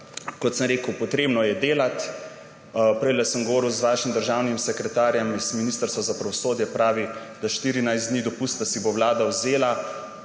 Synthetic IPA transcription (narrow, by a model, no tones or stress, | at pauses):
kɔt̪səmɾeːkəwpɔt̪ɾeːbnɔjɛd̪eːlat̪ | pɾɛjlɛsəmɡoʋɔːɾiwzʋaːʃimd̪əɾʒaːwnimsɛkɾɛt̪aːɾjɛmiz̥minist̪əɾst̪ʋazapɾaʋɔsoːd̪jɛpɾaːʋid̪̥aʃt̪iːɾinajzd̪nid̪ɔpust̪asibowlaːd̪awzeːla